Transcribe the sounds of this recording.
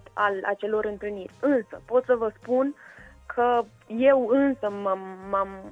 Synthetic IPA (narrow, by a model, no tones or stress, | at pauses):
t̪ala̰t͡ʃe̞lo̞ɾɨnt̪ɨlnirʲɨnsəpo̞t̪səvəspunkʰə | je̞wɨnsəmamːam